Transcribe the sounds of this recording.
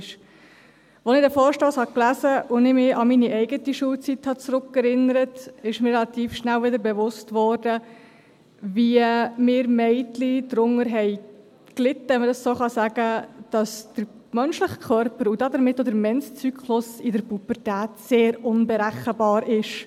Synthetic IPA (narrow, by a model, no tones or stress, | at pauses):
ʃ | ʋɔnɪdɛfɔːʃtɔːshɑklæzəʔʊnɪmɪɑminiʔɛɪɡətiʃuəlt͡sithɑt͡sɾʊkɛɾɪnəɾətɪʃmɪɾrɛlɑt̪iːfʃnælʋɪdəɾbɛʋʊstʋɔːɾdə | viəmɪːɾmɛɪtlidɾʊŋəɾɦɛɪ | klɪt̪ːəɛmədɑssoːχɑsæɡ̥əd̥ɑsd̥əɾ | mœnʃlɪχkʰœɾpəɾudɑːd̪əɾmɪtːodəɾmɛnst͡sykχlʊsɪdəɾpupəɾtæːtseːɾʊnbɛɾæχːəbɑːɾʔɪʃ